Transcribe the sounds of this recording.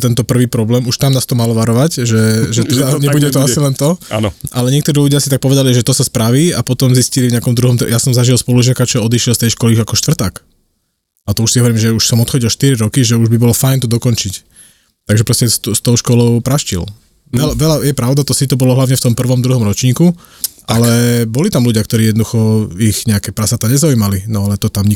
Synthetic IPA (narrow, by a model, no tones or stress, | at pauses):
t̪ɛnt̪ɔpr̩ʋiːpɾɔblɛːmuʃt̪amnaːst̪ɔmalɔʋaɾɔʋacʒɛʒɛt̪ɛd̪aɲɛbuɟɛt̪ɔasilɛnt̪ɔ̰ʔalɛɲɪɛk̚t̪ɔɾiːluɟɪasit̪ak̚pɔʋɛd̪aliʒɛt̪ɔsaspɾaʋiːapɔt̪ɔmziscilivɲɛakɔmd̪ɾuɦɔmt̪jasɔmzaʒilspɔluʒɪakat͡ʃɔɔd̪iʃɪɛlst̪ɛjʃkɔliakɔʃt̪ʋr̩t̪ak | at̪ɔuʃsiɦɔʋɔɾiːmʒɛuʃsɔmɔt̪xɔɟilʃt̪iɾiɾɔkiʒɛuʒbibɔlɔfajnt̪ɔd̪ɔkɔnt͡ʃic | t̪aɡʒɛpɾɔscɛst̪st̪ɔʊʃkɔlɔʊpɾaʃcḭl | ɛlaʋɛlajɛpɾaʊd̪at̪ɔsit̪ɔbɔlɔɦlaʋɲɛft̪ɔmpr̩ʋɔmd̪ɾuɦɔmɾɔt͡ʃɲiːku | ʔalɛbɔlit̪amluɟɪakt̪ɔɾiːɛd̪nɔd̪uxɔiɣɲɛakɛːpɾasat̪aɲɛzaujmalinɔalɛt̪ɔt̪amɲi